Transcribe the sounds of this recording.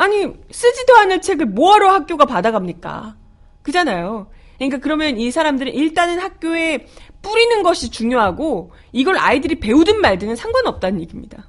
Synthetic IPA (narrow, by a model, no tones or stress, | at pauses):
aɲis͈ʰɯd͡ʑidʌanɯɭt͡ɕʰe̞ɡɯɭmoaɾohak̚k͈joɡapadaɡamɲik͈a̰ | kɯd͡ʑanajo | ɲik̬͈akɯɾʌmjʌnisʰaɾamdɯɾɯniɭt͈anɯnhak̚k͈joe̞p͈uɾinɯnɡʌɕʰit͡ɕuŋjoɦaɡo | iɡʌɾa̰idɯɾipe̞udɯnmaɭdɯnɯnsʰaŋɡwanʌp̚t͈anɯnɲiɡimɲid̥a